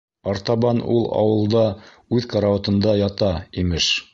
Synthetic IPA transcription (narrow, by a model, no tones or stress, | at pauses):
ɑɾt̪ɑβɑnulˠɑ̰wɤ̆lˠd̪ɑ | ʉðkɑɾaot̪ɤ̆nd̪ɑjɑt̪ɑimɘʃ